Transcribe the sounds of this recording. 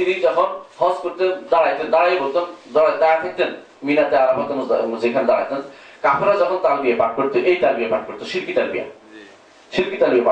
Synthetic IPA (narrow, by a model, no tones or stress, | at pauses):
t̪inid͡ʑɔkʰonhʰɔ̃skoɾt̪ed̪aɽajt̪end̪aɽajboɾt̪ond̪ɔad̪ajat̪ʰɛk̚t̪en | minat̪eaɾabʱɔt̪emosd͡ʑekʰand̪aɽa̰jt̪en | kapʰɾad͡ʑɔkʰont̪albijapaʈ̚koɾt̪eʔejt̪albijapaʈ̚koɾt̪eʃiɾkit̪albḭja̰ | ʃiɾkit̪albijapa